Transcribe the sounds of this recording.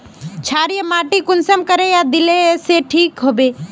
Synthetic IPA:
t͡ʃʰaːɾijəmaːʈikʊnsəmkəɾejad̪ɪleseʈʰiːkɦoːbeː

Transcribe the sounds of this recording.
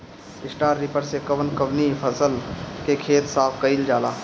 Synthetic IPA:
ɪsʈaːɾːipəɾsekəʋənkəbnipʰəsəlkekʰeːt̪saːpʰkəɪld͡ʒaːlaː

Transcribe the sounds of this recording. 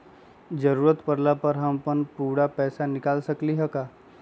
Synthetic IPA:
d͡ʒəɾuːɾət̪pəɾlapəɾɦɐmpənpuːɽapɛːsanɪkaːlsɐkliɦɐkaː

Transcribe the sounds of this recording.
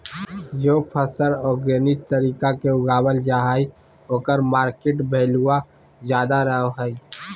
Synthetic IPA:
d͡ʒoːpʰəsəɾɔːɡɾənɪt̪t̪əɾiːkakeʊɡaːbəld͡ʒaːɦai | oːkəɾmaːɾkeʈbʱeːluwa | d͡ʒjaːd̪aɾəɦoɦəi

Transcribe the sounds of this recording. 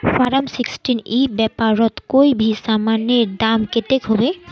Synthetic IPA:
fʰaɹamsikstinibɛpaɹɔtkojbʱisamaneɹdamket̪ekɦobɛ

